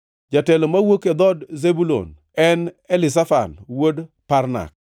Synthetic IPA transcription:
d͡ʒatɛlomawoked̪ɔdzebulo̰n | ɛn | ɛlɪs̬afa̰nwodpaɾna̰k̚

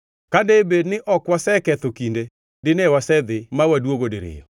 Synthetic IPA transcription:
kadebednɪʔɔkwasɛkɛt̪okinde | dɪnewasɛd̪ɪmawadwoɡodɪɾɪ̰jɔ̰

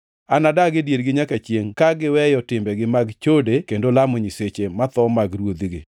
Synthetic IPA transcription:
anadaɡɪdjeɾɡɪɲakat͡ʃjeŋkaɡɪwɛjɔtɪmbɛɡɪmaɡt͡ʃodekendolamoɲiset͡ʃemat̪ɔmaɡrwod̪iɡɪ̰

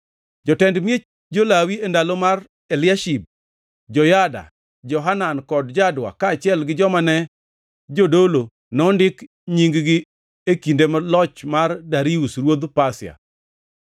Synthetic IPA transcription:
d͡ʒɔtɛndmje | d͡ʒolawiendalomar | elɪaʃib̚ | d͡ʒɔjada̰ | d͡ʒɔɦanankɔdd͡ʒadwa̰kaːt͡ʃɪɛlɡɪd͡ʒɔmanɛ | d͡ʒodolo | nɔndɪk | ɲiŋɡɡɪ | ekindemalɔt͡ʃmardaɾiusrwod̪pasɪa̰

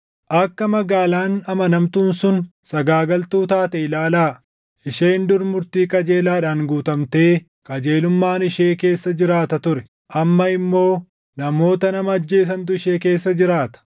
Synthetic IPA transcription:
ʔɐkːɐmɐɡaːlaːnɐmɐnɐmt̪uːnsʊnsɐɡaːɡɐlt̪uːt̪aːt̪ɛɪlaːlaː | ɪʃeːnd̪ʊɾmʊɾt̪iːkʼɐd͡ʒe̞ːlaːᶑaːŋɡuːt̪ɐmt̪e̞ː | kʼɐd͡ʒeːlʊmːaːnɪʃe̞ːke̞ːsːɐd͡ʒɪɾaːt̪ɐt̪ʊɾɛ̥ | ʔɐmːɐɪmːo̞ː | nɐmo̞ːt̪ɐnɐmɐːd͡ʒːeːs̬ɐnt̪ʊɪʃeːke̞ːsːɐd͡ʒɪɾaːt̪ɐ̥

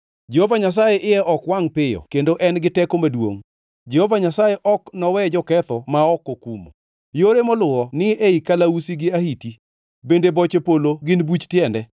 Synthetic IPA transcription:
d͡ʒehovaɲas̬ajeʔɪjɛʔɔkwaŋpɪjɔ̰kendoʔɛnɡɪtɛkomadwo̰ŋ | d͡ʒɛhovaɲasajeʔɔknɔwɛd͡ʒɔkɛt̪ɔmaɔkːokumo̰ | joɾemɔlʊɔnɪeikalausiɡɪahiti | bendebɔt͡ʃepoloɡɪnbut͡ʃtjɛndɛ

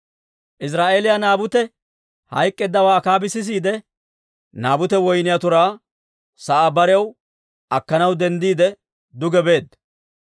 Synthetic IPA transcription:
ʔɪs̬ɾaːʔe̞ːlɪjanaːbʊt̪ɛ | hɐjkʼːɛd̪ːɐwaːkaːbɪsɪs̬iːd̪ɛ | naːbʊt̪ɛwɔjnɪjat̪ʊɾaː | sɐʔaːbɐɾɛɐw | ʔɐkːɐnɐwd̪ɛnd̪iːd̪ɛ | d̪ʊɡɛbe̞ːd̪

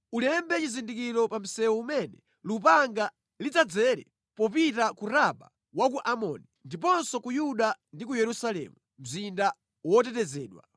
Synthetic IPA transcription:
ulɛmbɛt͡ʃizindikiɾɔpam̩sɛwɔumɛnɛ | lup̬aŋɡa | lid͡zad͡zɛɾɛ̰ | pɔpitakuɾaɓa̰ | wakuʔamɔ̰ːnindip̬ɔnsɔkujuɗandik̬ujɛɾusalɛ̰mu | m̩zinda | wɔtɛtɛzɛːɗwa̰

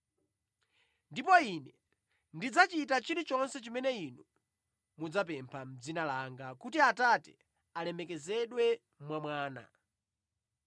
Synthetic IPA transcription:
ndipɔinɛ | ndid͡zat͡ʃitat͡ʃiɾit͡ʃɔnsɛt͡ʃimɛnɛinu | mud͡zapɛmpʰam̩d͡zinalaŋɡakutiatatɛ̰ | alɛmɛkɛzɛɗwɛ | mwamwaːna̰

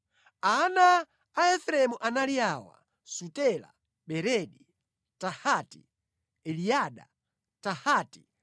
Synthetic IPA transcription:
anaː | ɛθɛɾɛmuʔanaliaːwa̰ | sutɛla̰ | ɓɛɾɛɗi | tahati | ɛliaɗa̰ | tahaːti̥

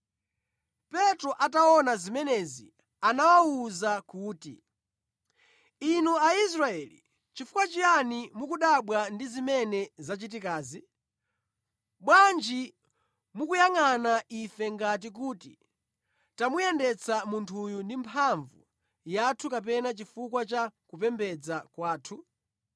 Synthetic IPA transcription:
pɛtɾɔʔataɔnazimɛnɛzi | anawauzakuːtḭ | inuais̬ɾaɛlḭ | t͡ʃifukwat͡ʃianimukuɗaɓwandizimɛnɛzat͡ʃit̬ikaːzi | ɓwand͡ʒi | mukujaŋanaʔifɛŋɡat̬ik̬uːtḭ | tamujɛndɛt͡sʰamuntʰujundimpʰaɱvṵ | jatʰukap̬ɛnat͡ʃifuk̬wat͡ʃakupɛmbɛd͡zakwaːtʰu

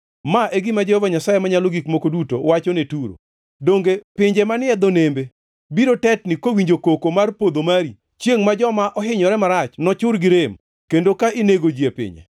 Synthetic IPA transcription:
maʔeɡɪmad͡ʒehɔvaɲasajemaɲaloɡikmokoduto̰wat͡ʃɔnetuɾo̰ | doŋɡepɪɲd͡ʒemanɪɛd̪onembe | biɾotɛtnɪkowiɲd͡ʒokokomarpod̪omaɾi | t͡ʃjeŋmad͡ʒɔmaʔɔɦɪɲɔɾɛmaɾat͡ʃnɔt͡ʃʊɾɡɪɾem | kendokaʔɪneɡod͡ʒiepɪ̰ɲɛ̰

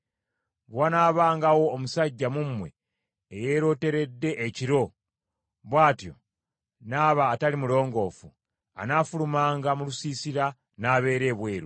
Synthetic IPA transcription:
βwanaːβaːŋɡawo̞ːmusaɟːamumːwe̞̰ː | je̞ːɾo̞ːte̞ɾe̞dːe̞ʔeciɾo̞ | βwaːtjo̞̰ | naːβaːtalimulo̞ːŋɡo̞ːfu | a̰naːfulumaːŋɡamulusiːsiɾa | naːβe̞ːɾe̞ːβwe̞ːɾu

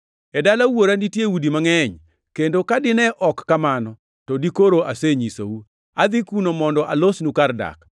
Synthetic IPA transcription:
ɛdalawoɾanitjewudimaŋɛɲ | kendokadɪnɛʔɔkːamanɔ | tɔdikoɾoʔaseɲiso̰wu | ad̪ikunomɔndɔʔalosnukarda̰k

